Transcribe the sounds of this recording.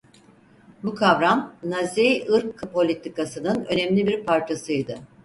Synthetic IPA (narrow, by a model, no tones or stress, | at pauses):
bukʰavɾamnazejɯɾkʰːɯpo̞lʲit̪ʰikasɯnɯnø̞nɛmlʲibiɾpʰaɾt͡ʃʰasɯjd̪ɯ